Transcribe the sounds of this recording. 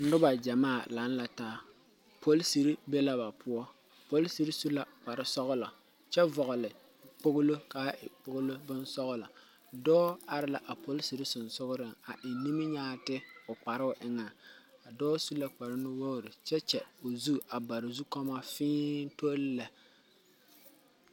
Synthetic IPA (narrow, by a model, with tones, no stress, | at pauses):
n̩˦dʊ˦ba˨d͡ʒa˨maː˦˨la˨˦n˦la˨ta˦ | po˦lsi˨ɾi˦be˦la˦ba˨pʰʊ˦ɔ˦ | po˦lsi˨ɾi˦su˦la˨k͡pa˨ɾɪ˦sɔ˦ɣʊ˦lɔ˨ | t͡ʃɛ˦vɔ˨ɣʊ˨lɪ˨ | k͡pʊ˦ɣʊ˦lo˦ka˨˦ɪ̰˨k͡pʊ˦ɡʊ˦lo˦bʊ˦nsɔ˦ɣʊ˦lɔ˨ | dɔː˦a˨ɾɪ˦la˨ʔa˨po˦lsi˨ɾi˦sʊ˨nsʊ˦ɣʊ˦ɾɪ˨ŋa˨ʔɪ˨ni˦mɪ˦ɲaː˦tɪ˦ʊ˨k͡pa˨ɾɪ˦ʊ˦ʔɪ˦ŋa˨a˨dɔː˦su˦la˨k͡pa˨ɾɪ˦nɪ˦wo˦˨ɾɪ˨t͡ʃɛ˦t͡ʃɛ˨o˨zu˦a˨ba˨ɾɪ˨zu˦ka˦ma˦fɪː˦n˦to˦lla˨